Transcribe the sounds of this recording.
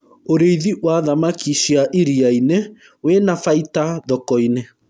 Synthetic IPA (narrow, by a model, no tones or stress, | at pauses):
oɾeiðiʔwaðamakiʃiaʔiɾiaine | wenafaitaðɔkɔine